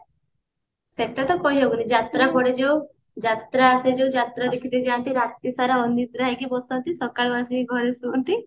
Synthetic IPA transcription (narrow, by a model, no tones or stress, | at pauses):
seʈat̪ɔkɔɦiɦebunid͡ʒat̪ɾapɔɽed͡ʒew | d͡ʒat̪ɾaːsed͡ʒewd͡ʒat̪ɾad̪ekʰit̪id͡ʒaːɳʈ̪iɾat̪isaɾaɔnit̪ɾaɦekibɔsɔnt̪isɔkaɭɔasiɡʱɔɾesuɔnt̪i